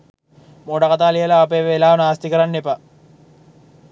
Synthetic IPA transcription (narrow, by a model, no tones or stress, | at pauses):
moːɖakat̪aːlijəlaːpeːʋelaːʋɐnaːst̪ikəɾanːepa